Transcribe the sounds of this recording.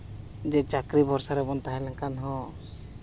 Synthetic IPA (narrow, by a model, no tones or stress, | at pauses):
d͡ʒɛt͡ʃakɾibɔɾsaɾɛbɔnt̪aɦɛlɛŋkanɦɔ̃